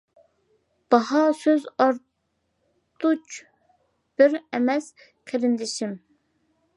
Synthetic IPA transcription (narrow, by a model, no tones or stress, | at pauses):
b̥ɑhɑsøzɑɾ | t̪ʰut͡ʃ | b̥ɪɾɛmɛs | qʰeɾɪnd̪ɪʃim